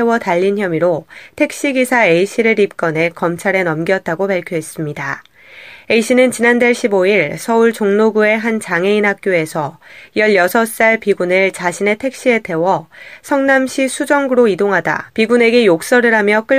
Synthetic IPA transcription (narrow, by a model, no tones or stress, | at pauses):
ewʌtaʎːinçjʌmiɾotʰe̞k̚ɕ͈iɡisʰae̞iɕʰiɾɯɾip̚k͈ʌne̞kʌmt͡ɕʰaɾe̞nʌmɡjʌt̚t͈aɡopaɭkʰjoɦe̞s͈ɯmɲida | e̞iɕʰinɯnt͡ɕinandeɭɕʰiboiɭsʰʌuɭt͡ɕoŋnoɡue̞ɦant͡ɕaŋe̞inɦak̚k͈joe̞sʰʌjʌʎjʌsʰʌs͈aɭpiɡunɯɭt͡ɕaɕʰine̞tʰe̞k̚ɕ͈ie̞tʰe̞wʌsʰʌŋnamɕʰisʰud͡ʑʌŋɡɯɾoidoŋɦada̰piɡune̞ɡe̞jok̚s͈ʌɾɯɾamjʌk͈ɯ